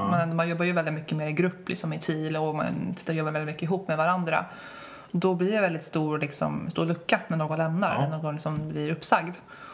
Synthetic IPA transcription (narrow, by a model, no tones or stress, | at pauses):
mɛnmanjɔbːaɾjɵvɛld̪ɪt̪mʏkːəmeːɾɪɡɾɵpːlɪ̰ksɔmɪt̪ʰiːlɔma̰nsɪt̪ːɾɔjɔbːavɛlɪt̪mʏkːəɪɦuːpːmɛvaɾand̪ɾa̰ | d̪ɔblɪɖɛvɛlɪt̪st̪uːɾlɪksɔ̰mst̪ṵːɾɭɵkːanæɳoːɡɔnlɛmnaɾæɳoːɡɔnlɪksɔmblɪɾɵpːsaɡd̪